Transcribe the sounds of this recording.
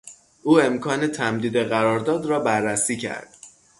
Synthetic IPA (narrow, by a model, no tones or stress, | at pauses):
ʔuːe̞mkʰɒːnet̪ʰæmd̪iːd̪eɣæɾɒːɾd̪ɒːd̪rɒːbærːæsiːcʰæ̰ɾd̪̥̚